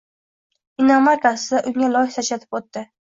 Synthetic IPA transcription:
inamaɾkasɪd̪aʔʊŋʲalˠɒjɪht̪at͡ʃʰat̪ʰɪ̥pot̪ːɪ

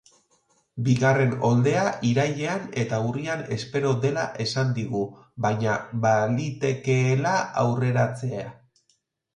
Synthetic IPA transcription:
biɣare̞no̞ld̪e̞aʔiɾaʎe̞ane̞t̪auriane̞spe̞ɾo̞ðe̞laʔe̞sand̪iɣu | βajɲaβald̪it̪e̞ke̞ːlaawre̞ɾat͡se̞a

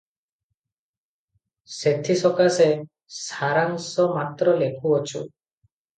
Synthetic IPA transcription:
set̪ʰisɔkase | saɾaŋsɔmat̪ɾɔlekʰuɔt͡ʃʰṵ

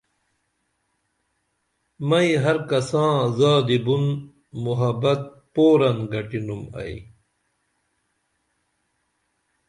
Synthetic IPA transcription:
mɐiɦɐɾkɐsãːzaːd̪ibun | muɦɐbɐt̪̚ | poːɾɐnɡɐʈinumɐ̰ḭ

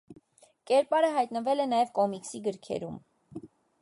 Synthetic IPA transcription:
kɛɾpɑɾəɦɑjt̪nəvɛlɛnɑjɛvkɔmiksiɡəɾkʰɛ̰ɾum

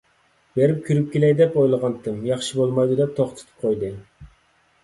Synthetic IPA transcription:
beɾɪp̚kʲʰyɾyp̚kʲelɛjd̪ɛpojlˠəʁɑnt̪ʰɨmjɑχʃibolˠmɑjd̪ɨd̪ɛp̚t̪ʰoχt̪ʰɨ̥t̪ʰɨ̥p̚qʰojd̪ɨ

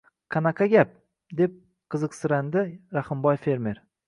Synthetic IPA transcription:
qʰɑnaqʰɑɡʲap̚ | d̪e̞p̚ | qʰɨzɨqsɪɾand̪ɪɾahɨmbɒjfe̞ɾmeɾ

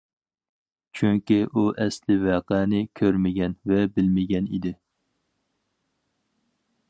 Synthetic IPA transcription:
t͡ʃʰyŋkʲiʔuʔɛslɪvɛːqæːnɪkʲʰøɾmɪɡʲɛnvɛbɪlmɪɡʲɛnḭd̪ɪ

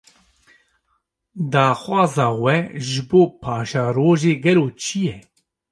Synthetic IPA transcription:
d̪aːxwɑːzɑːwɛʒɪboːpʰɑːʃaːɾoːʒeːɡɛloːt͡ʃʰijɛ

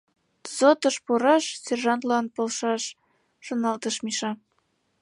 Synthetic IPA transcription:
zot̪ɤʃpuɾɑʃsʲerʒɑnt̪lɑnpolʃɑʃ | ʃonɑlt̪ɤ̆ʃmiʃɑ

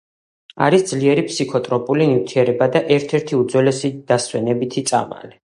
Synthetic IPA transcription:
a̰ɾisd̪zliɛɾipʰsikʰɔt̪ʼɾɔpʼulinivt̪ʰiɛɾɛbad̪aʔɛɾt̪ʰɛɾt̪ʰiud̪zwɛlɛsid̪̥aswɛnɛbit̪ʰit̪sʼa̰ma̰li

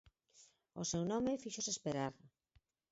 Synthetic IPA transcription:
osewnɔmefiʃosespeɾaɾ

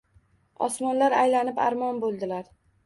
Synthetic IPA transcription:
ɒ̰smɒnlaɾajlanɪpa̰ɾmɒnbolˠd̪ɪlaɾ

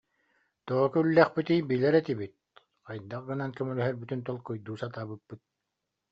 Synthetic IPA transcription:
t̪ɔʁɔkɯylːɛχpit̪iːbiːlɛɾɛt̪ibit̪̚ | qajd̪aqɡɯnankɛmɛlɛɦɛɾbyt̪ynt̪ɔlˠkɯjd̪uːsat̪aːbɯpːɯt̪̚

